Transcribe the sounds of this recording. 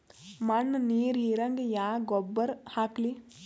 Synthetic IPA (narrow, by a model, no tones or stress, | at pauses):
mɐnːniːɾiɾɐŋɡejaːɡɔbːɐɾhaːkli